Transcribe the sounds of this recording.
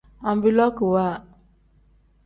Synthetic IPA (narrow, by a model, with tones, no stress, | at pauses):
ã˨m˦bi˦˨lɔ˦ki˨wa˦˨